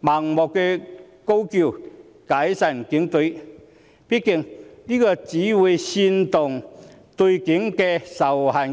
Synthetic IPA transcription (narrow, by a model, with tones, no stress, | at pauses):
ma˨˩ŋmɔ˨˩kːɛ˧ | ko˥wki˧˩w | ka˨˧˥jsa˨˩nki˨˧˥ŋt̪u˨˧˥j | pi˥t̚kːi˧˩ŋliː˥kɔ˧t͡siː˨˥wu˨˧˩si˧nt̪ʊ˨˩ŋ | t̪u˧jki˨˥ŋkɛ˧sa˨˩wha˨˩n